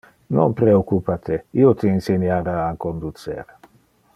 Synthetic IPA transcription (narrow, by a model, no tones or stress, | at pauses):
no̰npɾeokupat̪eiot̪einsenjaɾaːkond̪ut̪t͡sḛɾ